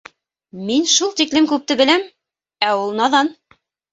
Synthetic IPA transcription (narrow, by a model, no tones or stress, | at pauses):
minʃulˠt̪iklɘmkʉp̚t̪ɘ̆bɘ̆læm | æulˠnɑðɑn